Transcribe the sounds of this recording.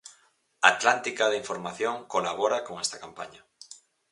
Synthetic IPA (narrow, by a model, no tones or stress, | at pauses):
at̪lant̪ikaðeiɱfoɾmaθjoŋkolaβ̞oɾakoŋɛst̪akampaɲa